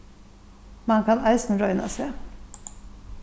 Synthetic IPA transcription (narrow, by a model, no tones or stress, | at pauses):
mɑnkʰɑnɑɪsn̩ɾɔʏna̰se